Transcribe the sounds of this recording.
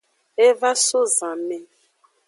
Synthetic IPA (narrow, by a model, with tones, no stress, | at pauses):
e˦va˦so˦zã˨mɛ˨